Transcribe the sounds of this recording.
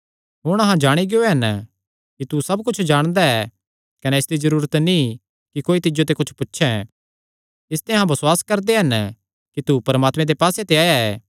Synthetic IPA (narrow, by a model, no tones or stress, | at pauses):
ɦʊɽ̃ɐɦãd͡ʒaːɽ̃iɡeoeɦɐn | kit̪usɐb̚kʊt͡ʃʰd͡ʒaːɽ̃d̪aɛ | kɐnɛɪsd̪izɐɾuːɾət̪nĩ | kikoːit̪ɪd͡ʒot̪̬ekʊt͡ʃʰpʊtːʃʰɛ | ɪst̪ẽɦãbɐswaːskɐɾd̪eɦɐn | kit̪upɐɾmaːt̪mɛ̃d̪epaːset̪eaːjaɛː